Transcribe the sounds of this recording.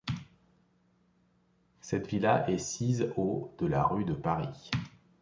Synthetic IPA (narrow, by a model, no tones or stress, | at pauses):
sɛt̪vilaʔɛsizod̪̥əlaʁyd̪əpaʁi